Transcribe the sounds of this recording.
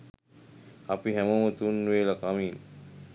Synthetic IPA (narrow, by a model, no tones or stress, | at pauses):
apiɦɛmomət̪unːʋeːlɐkamiːn